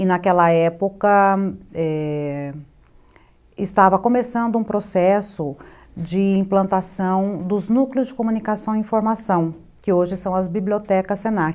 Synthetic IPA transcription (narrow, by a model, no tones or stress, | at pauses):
ɪnɐkɛlɐɛpokɐɛ | ɪst̪avɐkõmesɐ̃nd̪ʊũpɾosɛsʊd͡ʒɪĩplɐ̃nt̪asɐ̃w̃d̪ʊznukleʊzd͡ʒɪkõmũnikasɐ̃w̃ĩfoɾmasɐ̃w̃ | kɪoʒɪsɐ̃w̃ɐzbibliot̪ɛkɐsẽna